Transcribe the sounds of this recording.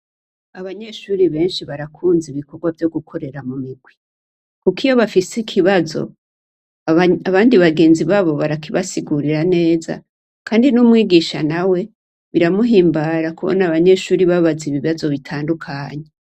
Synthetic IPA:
aβaɲe̞ʃuːɾiβe̞ːnʃiβaɾakʰuːnziβiko̞ɡwavjo̞ɡukʰo̞ɾe̞ɾamumiɡwi | kukijo̞βafisikʰiβazo̞̰ | aβaːndiβaɡe̞ːnziβaːβo̞βaɾakiβasiɡuɾiɾane̞ːza̰ | kʰaːndinumwiːɡiʃa̰nawe̞ | βiɾamuɦiːmbaɾakuβo̰naβaɲe̞ʃuːɾiβaβaziβiβazo̞βitʰaːndukʰaːɲe

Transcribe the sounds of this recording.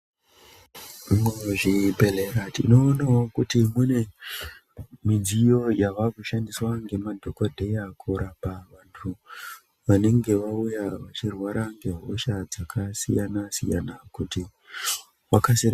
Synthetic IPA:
meʐibʱeleɾatḭno̞ːnawokutimune̞ | mid͡zijo̞jaʋakuʃandiswaŋɡe̞madʱokodʱe̞jakʰuɾapaʋantʰu | ʋane̞ŋɡe̞ʋaujaʋat͡ʃirwaɾʔaŋɡe̞ɦoʃad͡zakʰasijanasḭja̰nakuti | wakasiɾa

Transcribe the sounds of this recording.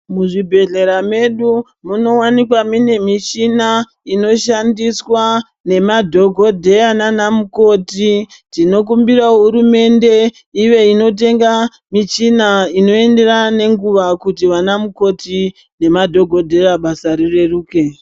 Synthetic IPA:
muʐibʱe̞ɮe̞ɾame̞ɗu | muno̞wanikwamine̞mit͡ʃina | ino̞ʃandiswa | ne̞madʱo̞ɡʱo̞dʱe̞ananamuko̞titino̞k̬umbiraɦuɾume̞nde̞ | iʋe̞ino̞t̬e̞ŋɡa | mit͡ʃinaino̞e̞nde̞rane̞ŋɡuʋakutiʋanamuko̞ti | ne̞madʱo̞ɡʱo̞dʱe̞raɓasaɾire̞ruːke

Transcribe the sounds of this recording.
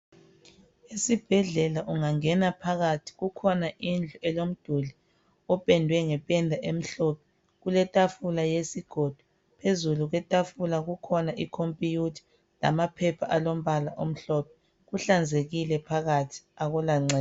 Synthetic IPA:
esib̥ʱɛɮɛlaʔuŋaŋɛnapʰaɣatʰi̥ɣukʰɔnaʔind͡ɮʱuʔɛlom̩d̥ʱuli | ɔpʼɛndʱwɛŋɛpʼɛndʱaʔem̩ɬɔpʰɛ̥ | ɣulɛtʼafulajesiɡ̥ʱod̥ʱu | pʰezuluɣwɛtʼafulaɣukʰɔnaʔikʰompʼijutʰi̥ | la̰mapʰɛpʰaʔalom̩βalaʔom̩ɬɔpʰɛ̥ | ɣuɬand͡zʱeɣilɛpʰaɣatʰi̥aɣɔlaŋ͡ǀɛː

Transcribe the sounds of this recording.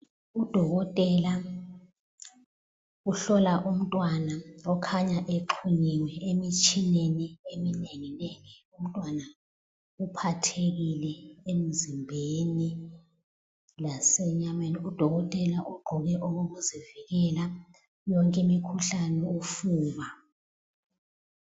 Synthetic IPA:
ud̥ʱɔɣɔtʼɛla | uɬɔlaʔum̩tʼwanaɔkʰaɲaʔeǃʰuɲiwɛemit͡ʃʼʰineniemineŋineŋium̩tʼwana | upʰatʰek̬ilɛem̩zimbʱeni | lasɛɲameniud̥ʱɔɣ̬ɔtʼɛlaʔuɡ͡ǃʱɔɣ̬ɛʔok̬ok̬uziviɣɛla | jɔŋkʼimikʰuɬanɛufuːβa

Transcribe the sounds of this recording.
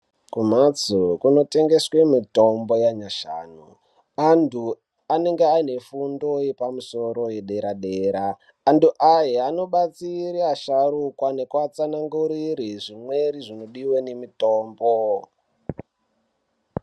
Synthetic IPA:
kumat͡sukuno̞te̞ŋɡe̞swemito̞mbo̞jaɲaʃa̰ːnṵ | antʰu | ane̞ŋɡeaine̞fundo̞jepamuso̞ɾo̞jeɗe̞ɾaɗe̞ːɾaː | ntuʔajeano̞ɓat͡siɾiaʃaɾukwane̞kwat͡sanaŋɡuɾiɾiʐimwe̞ɾiʐino̞ɗiwenemitoːmbo

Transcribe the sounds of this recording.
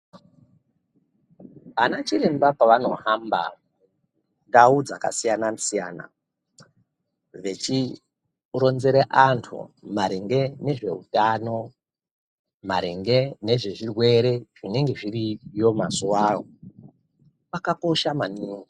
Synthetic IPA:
anat͡ʃiɾembapaʋano̞hamba̰ | ndaud͡zaka̰sijanasija̰ːna̰ | ʋe̞t͡ʃi | ro̞nzeɾeʔantʰṵmaɾeŋɡe̞ne̞ʐe̞̰ɦutaːno̞ | maɾeŋɡe̞ne̞ʐeʐirwe̞ɾe̞ʐine̞ŋɡe̞ʐirijo̞masuwaːo | pakako̞ʃamaniːwi

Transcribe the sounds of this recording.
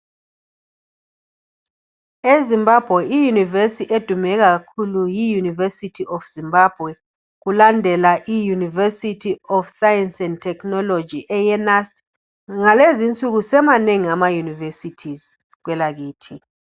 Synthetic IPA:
ezimbab̥ʱwɛijunivesiʔed̥ʱumɛk̬ak̬akʰulujijunivɛsitʰiɔfz̥imbab̥ʱwɛ | k̬ulandʱɛlaʔijunivɛsitʰiɔfsajɛnsɛnd̚tʰɛknɔlɔ̥d͡ʒʱiʔɛjɛnastʼ | ŋalezint͡sʼuk̬usɛmaneŋiamajunivesitʰiz | k̬wɛlak̬iːtʰi

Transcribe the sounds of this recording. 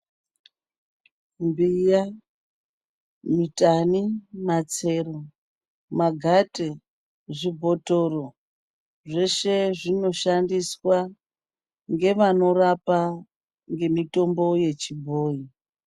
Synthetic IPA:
mbija | mitanimat͡se̞ro | maɡʱate | ʐibʱo̞toro | ʐe̞ʃe̞ʐino̞ʃandiswa | ŋɡe̞ʋano̞rapa | ŋɡe̞mito̞mbo̞je̞t͡ʃibʱoːi

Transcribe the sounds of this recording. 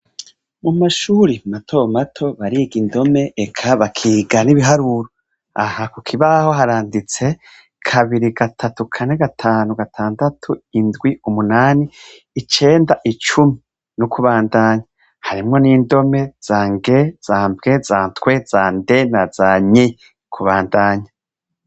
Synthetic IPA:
mumaʃuːɾimatʰo̞matʰo̞βaɾiːɡindo̞me̞ʔekʰaβakʰiːɡaniβiɦaɾuːɾo | ahakukʰiβaho̞ɦaɾaːndit͡se̞ | kʰaβiɾiɡatʰatukʰane̞ɡatʰaːnuɡatʰaːndatʰuindɡwiumunaːniː | t͡ʃe̞ːndaʔit͡ʃumi | nukʰuβaːndaːɲa | haɾimŋo̞niːndo̞me̞z̥aːŋɡez̥aːmbɡe̞zaːntkwe̞z̥aːnde̞nazaɲe | kʰuβaːndaːɲa

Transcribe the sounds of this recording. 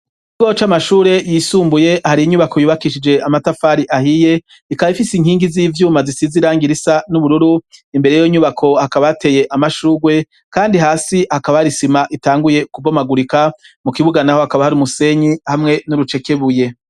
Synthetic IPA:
iɡo̞t͡ʃamaʃuːɾe̞jiːsuːmbuje̞haɾiiɲuβakʰo̞juːβakiʃid͡ʒe̞ʔamatafaːɾiʔahije̞ | ikaβaifisiŋhiːŋɡiziːvjuːmazisiziɾaːŋɡiɾisanuβuɾuɾuimbeɾejoɲuβakʰo̞hakaβajate̞je̞ʔamaʃuːɡwe̞ | kaːndiɦaːsihakaβajaɾisimaʔitaːŋɡuje̞kubomaɡuɾika | mukiβuɡanahohakaβahaɾiumuse̞ɲihamŋe̞nuɾut͡ʃe̞ke̞βuje̞

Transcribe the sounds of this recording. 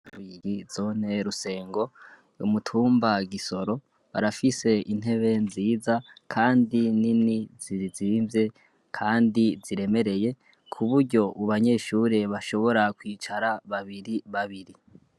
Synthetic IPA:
wiɡizo̞n̥e̞ɾuse̞ːŋɡo̞ | umutʰuːmbaɡiso̞ɾo̞ | βa̰ɾafise̞ʔin̥e̞βe̞nziːzakʰaːndininiziizimvje̞ | kʰaːndiziɾe̞me̞ɾe̞je̞ | kʰuβuɾɟo̞uβaɲe̞ːʃuɾeβaʃo̞βo̞ɾakwiːt͡ʃaɾaβaβiɾiβaβiɾi

